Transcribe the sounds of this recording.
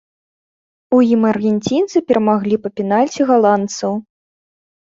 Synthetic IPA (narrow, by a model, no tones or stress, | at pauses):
ujimɐrɣʲɛnʲt͡sʲint̪sɨpʲɛɾɐmaɣlʲipɐpʲinalʲt͡sʲiɣalˠant̪sɐw